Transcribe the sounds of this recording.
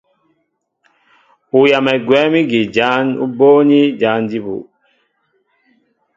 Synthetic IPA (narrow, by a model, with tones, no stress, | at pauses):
u˨ja˨mɛ˨ɡwɛ˨˦mi˦ɡi˨d͡ʒa˨˦nṵ˦bo˦ɲi˦d͡ʒa˨˦ndi˦bṵ˨